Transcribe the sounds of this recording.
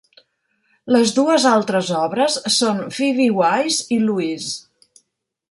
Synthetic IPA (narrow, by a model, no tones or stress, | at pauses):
ləzðuəzalˠt̪ɾəzɔβɾəsːonfiβiwajziluis